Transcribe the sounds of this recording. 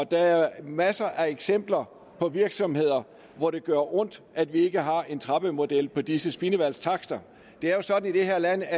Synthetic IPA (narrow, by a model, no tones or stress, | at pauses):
ɒd̥ææɐmæsɐʔæeɡ̥sem̰b̥lɐ | pʰɒ̽ʋiɐɡ̥sɒ̽mhe̝ð̞̰ˠɐ | ʋɒɾ̥e̝ɡ̥ɶɐʔɔ̽n̰d̥ʔæd̥ʋie̝ɡ̥əɦɑ̈e̝nt͡sʰʁɑ̈b̥əmo̝d̥el̰pʰɒ̽d̥isəsb̥inəʋæl̰st͡sʰɑ̈ɡ̥d̥ɐ | d̥e̝æɐjo̝sɒ̽d̥n̩id̥e̝ɦe̝ɐlæn̰æ